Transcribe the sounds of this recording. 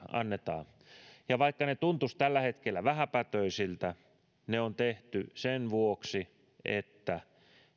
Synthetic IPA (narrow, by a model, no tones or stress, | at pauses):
ɑ̰nːet̪ɑ̰ː | jɑʋɑikːɑnet̪unt̪ust̪ælːæhet̪kelːæʋæhæpæt̪øisilt̪æ | neont̪eht̪ysenʋuoksi | ʔḛt̪ːæ